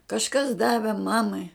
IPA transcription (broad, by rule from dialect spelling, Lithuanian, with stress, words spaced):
kɐʃˈkɐs ˈdɑːʋʲɛ ˈmɑːmɐɪ